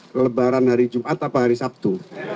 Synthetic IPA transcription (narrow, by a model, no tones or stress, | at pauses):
kələbaɾanɦaɾid͡ʒumʔat̪apaɦaɾisap̚t̪u